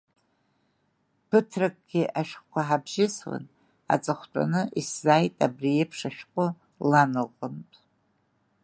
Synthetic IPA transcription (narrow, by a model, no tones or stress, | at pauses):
pʰɨtʰrakʼɡ̥ʲɪʔaʃᶣχkʷʰaħabʒɪswa̰n | a̰t͡sʼaχʷtʷʼa̰nɨʔiszaːjtʼabriepʰʂaʃᶣqʷʼʊ | lanɨʁəmtʼ